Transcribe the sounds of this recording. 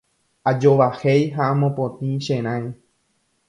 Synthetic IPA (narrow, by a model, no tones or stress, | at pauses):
ad͡ʒoʋahejɦaamõpõt̪ĩʃẽɾ̃ãj